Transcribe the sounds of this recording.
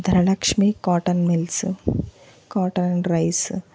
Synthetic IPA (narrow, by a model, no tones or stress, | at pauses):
d̪ʱɐɾɐlɐkʂmikaːʈɐnmels | kaːʈɐnnɾɐjs